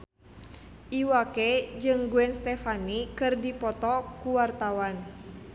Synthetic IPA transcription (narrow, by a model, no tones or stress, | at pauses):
ʔiwakɛd͡ʒɨŋɡuɛnst̪ɛfanikɨrdipɔt̪ɔkuwart̪awan